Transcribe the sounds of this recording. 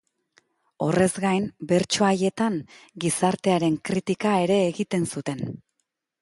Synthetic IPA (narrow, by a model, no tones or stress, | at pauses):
o̞re̞zɡajnbe̞ɾt͡ʃo̞aje̞t̪aŋɡisaɾt̪e̞aɾe̞ŋkɾit̪ikae̞ɾe̞ːɣit̪e̞nsut̪e̞n